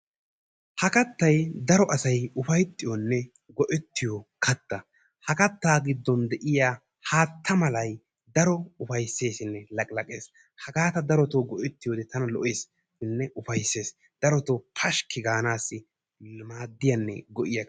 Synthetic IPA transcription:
hɐkɐt̪ːɐjd̪ɐɾɔʔɐsɐjʊfɐjt̪ʼːɪjɔnːɛ | ɡɔʔɛt̪ːɪjɔkʰɐt̪ːɐ | hɐkɐt̪ːaːɡɪd̪ːɔnd̪ɛʔɪjaː | haːt̪ʰːɐmɐlɐj | d̪ɐɾɔʊfɐjsːe̞ːsɪnːɛlɐkʼlɐkʼeːs | hɐɡaːt̪ɐd̪ɐɾɔt̪oːɡɔʔɛt̪ːɪjɔd̪ɛt̪ʰɐnɐlɔ̰ʔe̞ːs | ɪnːɛʔʊfɐjsːe̞ːs | d̪̥ɐɾɔt̪opʰɐʃkɪɡaːnaːsːɪ | maːd̪ːɪjɐnːɛ̰ɡɔʔɪjɐ

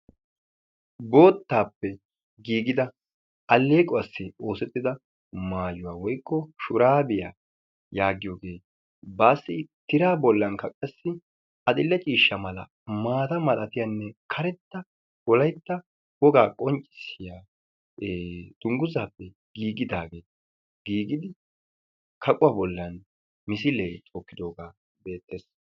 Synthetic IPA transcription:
bo̞ːt̪ːaːpːɛ | ɡiːɡɪd̪ɐ | ɐlːeːkʼɔɐsːɪo̞ːsɛt̪ːɪd̪ɐ | maːjʊwaːwɔjkːɔʃʊɾaːbɪja̰ː | jaːɡɪjoːɡe̞ː | baːsːɪt̪ɪɾaːbɔlːɐŋkɐkʼɐsːɪ | ɐd̪ɪlːɛt͡ʃʼiːʃːɐmɐlɐ̰ | maːt̪ɐmɐlʼɐt̪ɪjɐnːɛkʰɐɾɛt̪ːɐ | wɔlɐjt̪ːɐ | wɔɡaːkʼɔnt͡ʃʼːɪ̥sɪjaː | d̪̥ʊŋɡʊzaːpːɛ | ɡ̥iːɡɪd̪aːɡe̞ː | ɡiːɡɪd̪ɪ | kʰɐkʼʊwɐbɔlːɐn | mɪsɪleːt͡sʼokːɪd̪o̞ːɡaː | be̞ːt̪ʰːeːs

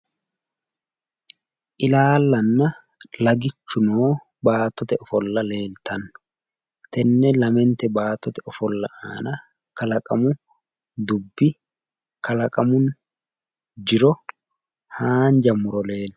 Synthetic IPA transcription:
ʔɪlaːlːɐnːɐ | lɐɡɪt͡ʃːʊnoː | baːt̪ːɔt̪ɛɔfɔlːɐle̞ːlt̪ʰɐnːʊ̥ | t̪ɛnːɛlɐmɛnt̪ɛbaːt̪ːɔt̪ɛɔfɔlːɐ̰ʔaːnɐ | kɐlɐkʼɐmʊ | d̪ʊbːɪ | kɐlɐkʼɐmʊn | d͡ʒɪɾɔ | haːnd͡ʒɐmʊɾɔle̞ːlt̪

